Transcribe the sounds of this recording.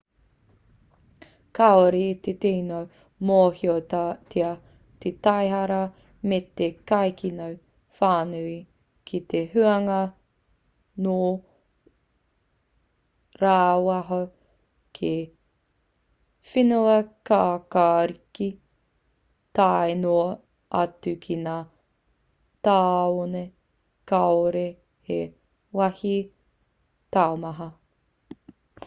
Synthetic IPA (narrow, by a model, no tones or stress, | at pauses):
kaoɾit̪et̪enow | mohiot̪ʰiɐ | t̪et̪ɐjɦɐɾɐ | met̪ekajkinow | faːnʉi | kʰit̪eɦʉɐŋɐ | no | ɾaːwɐɦo | kʰe | finuɐkaːkaːɾiki | taeno | ʔɐtʉkʰinaː | taːone | kaoɾe | he | wɐhi | taomɐɦɐ